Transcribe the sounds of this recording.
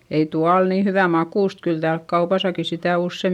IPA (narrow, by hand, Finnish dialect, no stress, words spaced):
ei tuɑ ol niː hyʋæ mɑkuˑst kyl tæːlk kɑupɑsɑki sitæˑ usːe